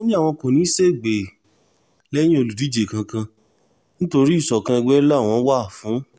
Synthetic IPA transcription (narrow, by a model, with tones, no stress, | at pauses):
o˦nĩ˦a˦˨w̃ɔ̃˧ko˨nĩ˨˦se˦˨ɡ͡be˨ | lɛ˦j̃ĩ˦o˧lu˨di˨˦d͡ʒe˨kã˧kã˧ | nĩ˦to˧ɾi˦˨sɔ˨kã˧ɛ˧ɡ͡bɛ˦la˦˨w̃ɔ̃˧˦wa˦˨fũ˨˦